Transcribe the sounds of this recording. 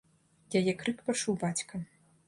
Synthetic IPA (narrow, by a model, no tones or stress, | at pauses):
jajɛkɾɨkpɐʂuwbat͡sʲkɐ